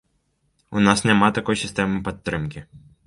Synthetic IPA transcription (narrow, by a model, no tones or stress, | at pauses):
unasnʲamat̪akɔjsʲist̪ɛmɨpat̪ːɾɨmkʲi